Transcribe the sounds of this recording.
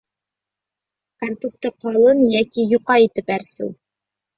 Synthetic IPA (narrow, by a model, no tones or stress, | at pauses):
kart̪uft̪ɤqɑlˠɤnjækijuqɑit̪ɘpæɾsɘ̰w